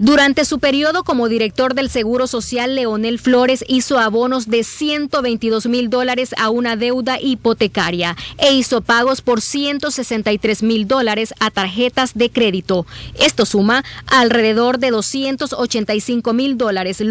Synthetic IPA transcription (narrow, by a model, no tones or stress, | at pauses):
d̪uɾant̪e̞supe̞ɾio̞ðo̞ko̞mo̞ðiɾe̞k̚t̪o̞ɾðe̞lse̞ɣuɾo̞so̞sjalːe̞o̞ne̞lflo̞ɾe̞siso̞aβo̞no̞zd̪e̞sje̞nt̪o̞βejnt̪iðo̞zmild̪o̞laɾe̞saunaðe̞wðaʔipo̞t̪e̞kaɾjae̞iso̞paɣ̞o̞spo̞ɾsje̞nt̪o̞se̞se̞nt̪ajt̪ɾe̞zmild̪o̞laɾe̞sat̪aɾxe̞t̪azðe̞kɾe̞ðit̪o̞e̞st̪o̞sumaalre̞ðe̞ðo̞ɾðe̞ðo̞sje̞nt̪o̞so̞t͡ʃe̞nt̪ajsiŋko̞mild̪o̞laɾe̞s